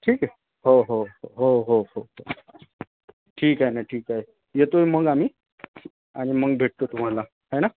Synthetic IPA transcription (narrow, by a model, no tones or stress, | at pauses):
ʈʰiːke | ɦoɦoɦo̰ɦoɦoɦoɦo | ʈʰiːkajnaʈʰiːkaɦe | jet̪ojməɡam̤iː | aɽ̃iməɡbʱeʈ̚t̪ot̪um̤ala | ɦana